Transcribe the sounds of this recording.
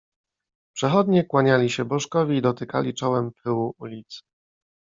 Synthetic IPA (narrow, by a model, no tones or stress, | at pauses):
pʂɛxɔd̪ɲɛkwaɲalʲiɕɛbɔʂkɔvʲiːd̪ɔt̪ɘka̰lʲit͡ʂɔwɛmpʰɘwuulʲit̪s